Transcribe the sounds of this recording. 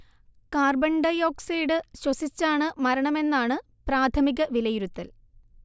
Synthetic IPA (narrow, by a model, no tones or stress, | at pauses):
kaːrbɐɳɖɐjoːksejɽɨɕwɐsit͡ɕːaːɳɨmɐɾɐɳɐme̞nːaːɳɨ | praːt̪ʰɐmiɣɐʋilɐjiɾut̪ːɐl